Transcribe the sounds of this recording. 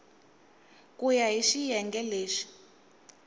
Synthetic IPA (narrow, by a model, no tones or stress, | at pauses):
kujaɦiʃijɛŋɡɛleːʂi̥